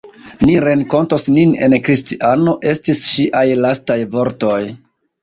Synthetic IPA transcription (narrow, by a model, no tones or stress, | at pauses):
niɾe̞ŋko̞ntosnine̞̰nkɾistiʔano̞ʔe̞stisʃiʔajlastajvo̞ɾto̞j